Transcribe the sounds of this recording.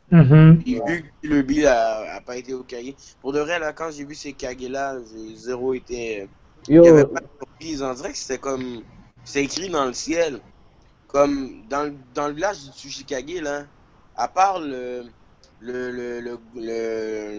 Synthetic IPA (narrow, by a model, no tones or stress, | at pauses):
ɦ̩vyiləbilaa̰paet̪eokaje | puʁd̪əvʁɛlakɑ̃ʒevysekʲaɡelaʒezeʁoet̪ɛ | javɛpad̪syʁpχizɔ̃d̪iʁɛkəse̥t̪ɛkɔm | se̥t̪ɛekχid̪ɑ̃ləsjɛl | kɔmd̪ɑ̃ld̪ɑ̃ləvilaʒd̪əsyʃikʲaɡela | apaʁlə | lələlələ